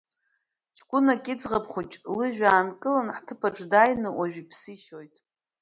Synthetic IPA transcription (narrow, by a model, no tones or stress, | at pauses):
t͡ʃʰkʷʊnakʲʼɪd͡zʁapχut͡ʃʼlɨʒᶣaːnkʼɨlanħtʰɨpʰaʈ͡ʂʼdajnɨwaʒᶣipʰsɨʃo̞jtʼ